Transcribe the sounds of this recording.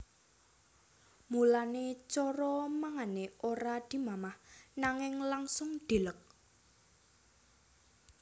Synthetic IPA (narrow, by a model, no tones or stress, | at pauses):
mulanet͡ʃɔɾɔmaŋaneʔoɾad̪̥i̤mamahnaŋɪŋlaŋsʊŋd̪̥e̤lək̚